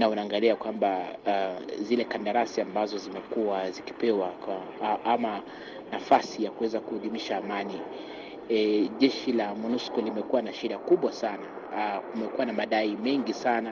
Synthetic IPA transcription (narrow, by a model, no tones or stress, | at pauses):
naunaːŋɡaliakwamba | zilɛkandaɾasiambazɔzimɛkuaziki̥pɛwaaama | nafasijakuwɛzakuuɗimiʃaːmani | ʄɛʃilamunuskɔlimɛkuwanaʃɛɾakuɓwasana | kumɛkuwanamaɗaimɛŋɡisana